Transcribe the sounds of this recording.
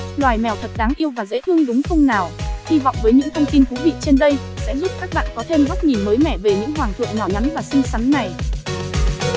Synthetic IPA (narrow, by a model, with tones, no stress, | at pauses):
lwaː˨˩jmɛ˨˩wt̪ʰə˨˩t̚ɗaː˨˦ŋʔi˧əwvaː˨˩zə̰˧˥t̪ʰɨ˧əŋɗʊ˨˦ŋ͡mxə˧wŋ͡mnaː˨˩whi˧vɔ̰˧˨wŋ͡mvəː˨˦jɲɨ̰˧˥ŋt̪ʰə˧wŋ͡mt̪i˧nt̪ʰu˨˦vḭ˧˨t͡ɕe˧nɗə˧j | sɛ̰˧˥zu˦˥p̚kaː˦˥k̚ɓa̰ː˧˨nkɔ˨˦t̪ʰe˧mɓa˦˥t̚ŋi˨˩məː˨˦jmɛ˧˩ve˨˩ɲɨ̰˧˥ŋɦwaː˨˩ŋt̪ʰɨ̰˧˨əŋnɔ˧˩ɲa˨˦nvaː˨˩sï˧ŋsa˨˦nna˨˩j